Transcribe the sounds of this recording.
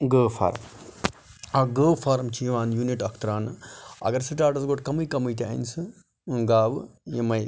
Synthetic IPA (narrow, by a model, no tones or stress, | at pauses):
ɡəːfʰa̰ːɾm | ɐɡəːfʰaːɾmt͡ʃʰijiʋaːnjuːniʈɐkʰt̪ɾaːnɨɐ̰ɡɐɾsiʈaːɾʈɐzɡoʈkɐmujkɐmuit̪̬a̰insɨ | ɡaːʋjemɐj